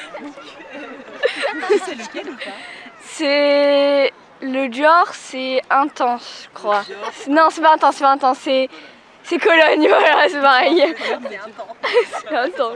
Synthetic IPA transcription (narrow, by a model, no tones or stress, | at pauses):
sɛ | ləd̪yɔʁsɛɛ̃t̪ɑ̃sʒəkχwasɛnɔ̃sɛpaɛ̃t̪ɑ̃ssɛpaɛ̃t̪ɑ̃sːɛ | sɛkɔlɔɲvwalasɛpaʁɛj | sɛɛ̃t̪ɑ̃